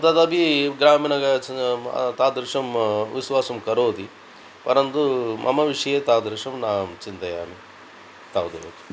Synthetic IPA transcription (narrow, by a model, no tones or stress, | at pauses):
ɐt̪ɐd̪ɐbiɡɾaːmiːnɐɡɐ̰ | t̪aːd̪ɾiʂɐmʋisʋaːsɐmkɐɾoːd̪i | pɐɾɐnt̪umʔɐ̰mɐʋiʂɐjeːt̪aːd̪ɾiʂɐmnaːmt͡ʃint̪ɐjaːmi | t̪aːwd̪ɐo̰ːt̪i̥